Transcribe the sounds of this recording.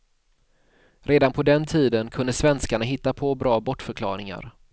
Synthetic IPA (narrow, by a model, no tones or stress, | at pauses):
ɾʔeːd̪anpʰɔd̪ɛnt̪ʰiːd̪ənkʰɵnd̪əsvɛnskaɳaɦɪt̪ːapʰɔbɾɑːbɔʈfœɾkʰlɑ̰ːɾɪŋa̰ɾ